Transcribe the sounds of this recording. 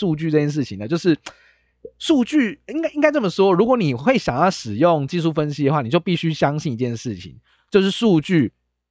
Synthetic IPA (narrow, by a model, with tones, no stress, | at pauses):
u˥˧t͡ɕy˥˧t͡sɤ˥˩t͡ɕjɛ˥˧nʂ̬ɻ̩˥˩t͡ɕʰi˨ŋd̪ə˩˦t͡ɕjo˥˧ʊʂɻ̩˥˩ | ʂu˥˧t͡ɕy˥˩i˥ŋka˥ɪʔi˥ŋka˥ɪt͡sə˥˩mə˨˩ʂwɔ˦˥ɻu˧˥kwɔ˧˦ni˨˩xwe˥˩ɪɕjɑ˨˩ŋjɑ˥˩ʊʂɻ̩˨˩jʊ˥˨ŋt͡ɕi˥˧ʂ̬u˥˩fə˦nɕi˧˥də˨xwa˥˩ni˨˩t͡ɕo˥˧pi˥˩ɕy˦˥ɕjɑ˥ŋɕi˥˩ni˧˥t͡ɕjɛ˥˧nʂɻ̩˥˩t͡ɕʰḭ˨˩ŋ | t͡ɕjo˥˧ʊʂɻ̩˥˩ʂu˥˧t͡ɕy˥˩